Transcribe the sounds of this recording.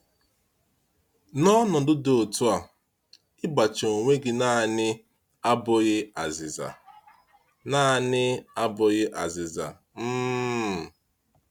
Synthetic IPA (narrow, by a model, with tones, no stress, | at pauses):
nɔ˦nɔ˨dʊ˦do˨o˨tu˦a˨ | ɪ˦ba˨t͡ʃo˨ŋʷe˦ɡɪ˨na˦˨nɪ˦ | a˦bʊ˨ɣɪ˦a˨zɪ˨za̰˨ | na˦˨nɪ˦a˦bʊ˨ɣɪ˦ʔa˨zɪ˨za̰˨ | m̩˦˨